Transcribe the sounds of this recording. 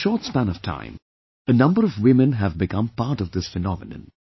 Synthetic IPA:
ʃɔːtspæ̃nʌv̥tʰã̰ɪ̃m | ənʌ̃mbəɾʌvwɪ̃mɨ̃nɦəvbɨkʰʌ̃mpaɾʈʌvd̪ɪsfɨnɑmɨnɨ̰̃n

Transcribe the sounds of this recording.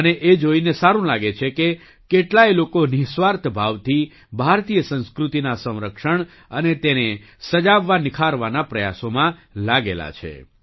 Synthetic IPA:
əneʔed͡ʒoinesaɾũlaɡet͡ʃʰeke | keʈlajlokonisʋaɾt̪ʰbʱaʋt̪ʰi | bʱaɾt̪ijəsə̃nskɾut̪inasə̃w̃ɾəkʃəɳ | ənet̪ene | səd͡ʒaʋːanɪkʰaɾʋanapɾəja̰somãlaɡela̰t͡ʃʰḛ

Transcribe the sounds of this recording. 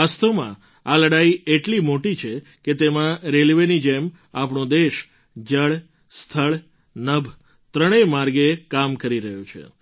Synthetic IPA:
ast̪əʋmã̰ | aləɽaieʈlimoʈit͡ʃʰe | ket̪emãɾelʋenid͡ʒem | apɳõd̪eʃ | d͡ʒəɭ | st̪ʰəɭ | nəbʱ | t̪ɾəɽ̃emaɾɡekamkəɾiɾəɦjut͡ʃʰḛ

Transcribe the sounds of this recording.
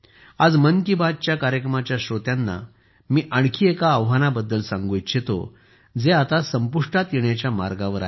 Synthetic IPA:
ad͡zmənkibad̪̚t͡ɕjakaɾjəkɾəmat͡ɕjaɕot̪janːa̰ | miːʔəɳkʰiːekaːʋɦanabəd̪ːəlsãŋɡojt͡ɕet̪o̰ | d͡zeat̪asəmpuʂʈat̪jeɳjat͡ɕjamaɾɡaʋəɾa

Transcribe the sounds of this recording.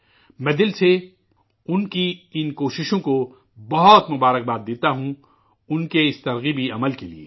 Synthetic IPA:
mɛ̃ːd̪ɪlse | ʊnkiɪnkoːʃɪʃõko | bɐɦɔt̪mʊbaːɾək̚baːt̪̚d̪eːt̪aɦũ | ʊnkeɪst̪ɐɾɣibʱiɐməlkeliḛː

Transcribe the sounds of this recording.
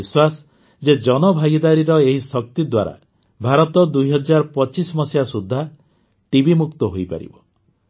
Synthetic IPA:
iswas | d͡ʒed͡ʒɔnɔbʱaɡid̪aɾiɾɔeɦisɔk̚t̪id̪waɾa̰ | bʱaɾɔt̪ɔd̪ujɦɔd͡ʒaɾɔpɔt͡ʃismɔsjasud̪ʱːa | ʈibimukt̪ɔɦojpa̰ɾḭbɔ

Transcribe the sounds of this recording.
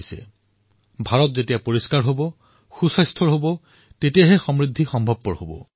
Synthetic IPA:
sɛ̰ | bʱaɹɔtzetijapoɹiskaɹɦobɔ | xusajstʰɔɹɦobɔ | tetijaɦɛxɔmɹid̪ʱːixɔmbʱɔb̚pɔɹhobɔ̰

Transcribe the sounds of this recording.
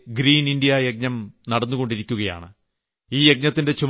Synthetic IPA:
ɡɾiːnindijɐjek̚ɲɐmnɐɽɐnːuɣo̞ɳɖiɾikʲːuɣɐja̰ːɳɨ | iːjek̚ɲɐt̪ːinde̞t͡ɕum

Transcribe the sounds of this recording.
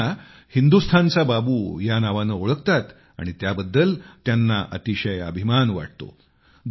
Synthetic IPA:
a | hind̪ust̪ʰant͡sababuːjanaʋanəoɭəkt̪at̪ | a̰ɽ̃it̪jabəd̪ːəlt̪janːaʔə̰t̪iɕəjə̰bʱimanʋa̰ʈ̚t̪o̰ | d̪

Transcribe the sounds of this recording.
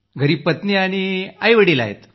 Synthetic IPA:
ɡʱəɾiːpət̪niaɽ̃iajʋəɽila̰ɦḛt̪

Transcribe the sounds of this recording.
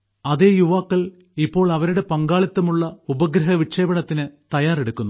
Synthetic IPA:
ɐðe̞ːjuʋaːkːɐɭ | ipːo̞ːɭɐʋɐɾuɽe̞pɐŋɡaːɭɐt̪ːɐmuɭːɐubɐɡɾɐɦɐʋikʂeːbɐɳɐt̪ːinɨt̪ɐjaːre̞ɽukːunːu

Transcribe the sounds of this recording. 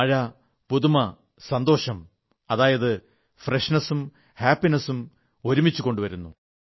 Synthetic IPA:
ɐɻɐ | puðumɐ | sɐnd̪o̞ːɕɐm | ɐðaːjɐðɨ | freʂnɐsum | haːpːinɐsum | o̞ɾumit͡ɕːuɣo̞ɳɖuʋɐɾunːu

